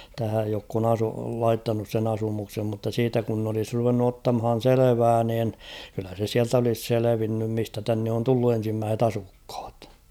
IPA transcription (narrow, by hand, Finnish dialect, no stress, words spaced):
tæhæj jokː on ɑsu lɑitːɑnus sen ɑsumuksem mutːɑ siːtæ kun n olis ruʋenːu otːɑmhɑn̞ seleʋæː niːn kylːæ se siælt olis seleʋinːym mistæ tænːe on tulːu en̞simːæːset ɑsukh̞ɑ̥t